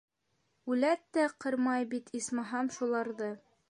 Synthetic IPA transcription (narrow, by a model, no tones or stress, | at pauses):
ʉlæt̪ːæqɤɾmɑjbit̪ʰismɑɦɑmʃulˠɑɾðɤ